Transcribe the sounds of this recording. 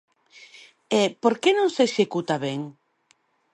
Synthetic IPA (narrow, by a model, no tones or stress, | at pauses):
epoɾkenõŋseːʃekut̪aβeŋ